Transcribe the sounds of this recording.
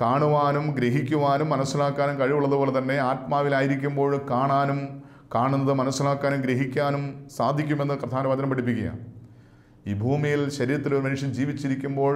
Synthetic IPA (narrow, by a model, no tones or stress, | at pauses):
kaːɳuʋaːnumɡɾeɦikʲːuʋaːnumːɐnɐsːilaːkːaːnumkɐɻiʋuɭːɐðuʋo̞ːɭet̪ɐnːe̞aːt̪maːʋilaːjiɾikʲːumbo̞ːɻkaːɳaːnum | kaːɳunːɐðɨmɐnɐsːilaːkːaːnumɡɾeɦikʲːaːnumsaːd̪ʱikʲːumenːɨprɐd̪ʱaːnɐʋaːd̪ʱɐnɐmpːɐɽʈip̬ːikʲːɐja̰ːn | iːbʱuːmijilɕɐɾiːɾɐt̪ːiloɾumɐnuʂjɐmd͡ʑiːʋit͡ɕːiɾikʲːumbo̞ːɻ